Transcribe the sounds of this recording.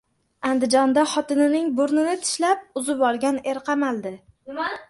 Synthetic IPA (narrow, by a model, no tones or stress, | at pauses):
and̪ɪd͡ʒɒnd̪aχɒt̪ɪnɪnɪŋbʊɾnɪnɪt̪ʰɪ̥ʃlap̚ʊzɪbɒɾɡʲane̞ɾqʰɑmald̪ɪ